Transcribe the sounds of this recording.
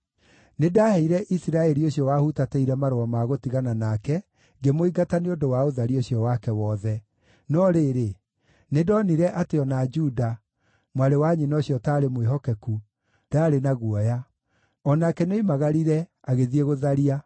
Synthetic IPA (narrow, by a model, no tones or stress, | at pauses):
nedaːhɛiɾɛʔisiɾaɛɾioɕiɔwaːhutatɛiɾɛmaɾoamaɣotiɣananakɛ | ŋɡemoiɡataneondowaoðaɾioɕjɔwakɛwɔːðɛ | nɔɾeɾe | nedɔniɾɛʔateɔnad͡ʒuda | mwaɾewaɲinɔːɕjɔtaːɾemweɦɔkɛku | d̥aːɾenaɣwɔja | ɔnakɛneimaɣaɾiɾɛ | aɣeðieɣoðaɾia